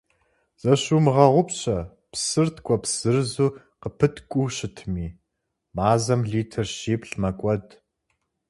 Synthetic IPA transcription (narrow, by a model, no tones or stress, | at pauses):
z̥ɐɕuːmɨʁɐʁʷʊpɕɐ | psɨrtʰkʷʼɔpsɨrzuː | qəpʰɨtʰkʷʼuːɕɪtʰmiː | maːzɐmɮiːtʰɐrʃiːpɬmɐkʷʼɔd